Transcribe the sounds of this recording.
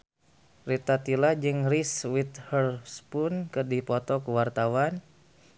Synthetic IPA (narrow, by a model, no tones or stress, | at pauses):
rit̪at̪ilad͡ʒɨŋriswit̪hərspʊnkɨrdipɔt̪ɔkuwart̪awan